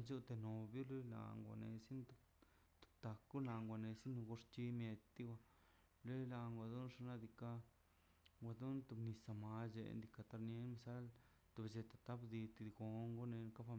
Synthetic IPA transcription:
nt͡ʃu˦t̪e˧no˨bju˦lu˦la̰˨ŋɡʷa̰˨nḛ˧si˦nt̪u˧˨ | t̪u̥˨t̪a˨kɡu˦la˧˨ŋɡʷa˨ne˧si˦n˧ɡo˧ʂt͡ʃi˧mje˧t̪d̪i˦wʷa˧ | le˦la˧ŋɡʷa˧d̪u˦nʂa˧na˦d̪i˧ka˧ | ŋɡʷa˧d̪u˦nt̪u˧bni˧sa˧ma˧d͡ʒḛ˧˨nd̪i˧ka˧t̪a˧ɾnje˦nma˧sa˦l | t̪u˧bd͡ʒe˧t̪a˨t̪a˦bd̪i˧t̪i˧d̪ɡo˧ŋɡo˦ne˧n˧ka˦fa˧

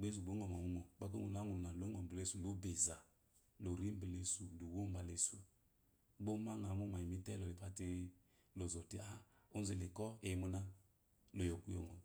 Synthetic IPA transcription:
ɡ͡be˦s̬u˨ɡ͡bo˨˦ŋɔ˨ma˨ŋu˨˦mo˨k͡pa˦k̬o˦ŋu˨˦na˨˦ŋu˨n˨na˨lo˦ŋɔ˨m̩˨ble˦su˨lu˨˦be˨za˨ | lo˨ɾi˦m˦bi˨le˧su˨lu˨wo˦m˦a˨le˨su˦˨ | ɡ͡bo˦ma˦ŋa˨˦mu˦ma˨i˨mi˦tɛ˦lo˨i˨pa˧ti˦ | lo˨zɔ˨ti˦a˦o˦n˦zi˨lɪ˨kɔ˦e˨˦mu˧na˦ | lo˨jo˨ku˦jo̰˨ŋɔ˨

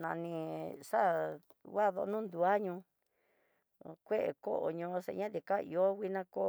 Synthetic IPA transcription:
nã̰˧˨nĩ˧ʂa˦ | wa˦˨ðo̰˧nũː˦nd̪u˧a˦ɲũ˧ | kʷe˦ʔe˨ko˦ʔo̰˨ɲõ˧ʂḛ˧ɲã˦ði˨ka˦˨ḭ˧o˦wʷi˦nã˧ko˦

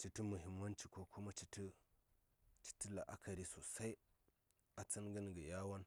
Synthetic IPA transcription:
t͡ʃi˨ti˦mu˨ɦi˨mːa˦nt͡ʃi˨ko˦kʰu˦ma˦t͡ʃi˦ti˦ | t͡ʃi̥˦ti˦la̰˨ʔa̰˦kʰa˨ɾi˨so˨sa˦i˦ | a˨t͡si˦nɡi˦nɡi˨ja˦wa˦n

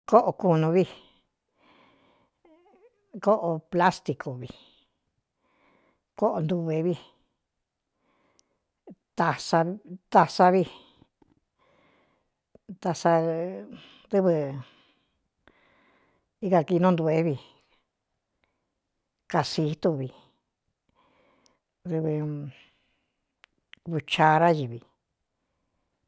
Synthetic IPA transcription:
ko˦ʔo˧ku˧nũ˧βi˧ | ko˦ʔo˧pla˦st̪i˧kʰo˨βi˨˧˨ | ko˦ʔo˧nd̪u˧βe˧βi˦˧ | t̪a˧sa˧t̪a˧sa˧βi˧ | t̪a˧sa˧ | ðɨ˦βɨ˧ | i˦ka˧ki˧nõ˦nd̪u˧e˧˦βi˧ | ka˧si˧˦t̪u˧βi˧ | ðɨ˧βɨ˧ | βu˧t͡ʃa˧ɾa˦ji˧βi˧

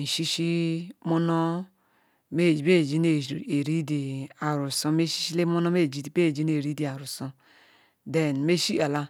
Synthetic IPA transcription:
n̩˨ʃi˦ʃi˦mo˦no˦ | me˦˨d͡ʒi˨be˦˨d͡ʒi˦ne˨d͡ʒe˨ɾi˦di˨a˨ɾu˨so˦me˦ʃi̥˦ʃi˦le˦mo˦no˦me˦˨d͡ʒi˦di˨be˦˨d͡ʒi˦n˦e˨ɾi˦di˨a˨ɾu˨so˦ | de˨nme˦ʃi˦a˨la˦

